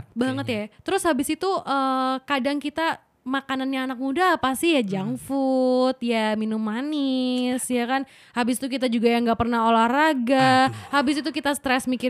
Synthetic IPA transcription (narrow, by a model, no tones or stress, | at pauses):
baŋət̪jat̪əɾʊshabɪsit̪uʔəkadaŋkit̪a | makananɲaːnak̚mudapast̪ijad͡ʒaŋfut̪̚jaminumanɪsjakan | habɪsit̪uk̬it̪ad͡ʒuɡajaŋɡapərnaɦolahraɡahabɪsit̪ukit̪ast̪ɾɛsmikɪ